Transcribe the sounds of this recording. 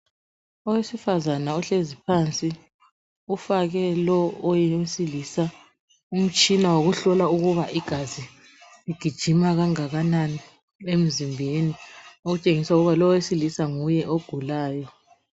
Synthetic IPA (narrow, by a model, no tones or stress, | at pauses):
ɔwesifazanaɔɬezipʰant͡sʼi | ufaɣɛlɔɔjesiliːsa | um̩t͡ʃʼinawoɣuɬɔlauɣuβaʔiɡ̥ʱazi | liɡ̥ʱid̥ʒ̥ʱimaɣaŋaɣanani | em̩zimbʱenioɣut͡ʃʼeŋisauɣuβalɔjesilisaŋujɛʔoɡ̥ʱulaːjɔ